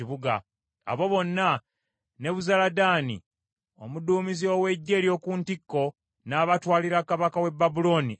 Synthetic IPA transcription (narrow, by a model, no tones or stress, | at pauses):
iβuɡa̰ | a̰βo̞βo̞nːa | neβuzaladaːnḭ | o̞muduːmiziowe̞ɟːe̞ːljo̞ːkuntikːo̞ | naːβatwaːliɾakaβakawe̞bːabulo̞ːni